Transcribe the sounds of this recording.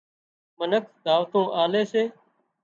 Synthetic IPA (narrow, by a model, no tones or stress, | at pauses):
mənəkʰd̪ʱaːʋt̪õːʔaːleːseː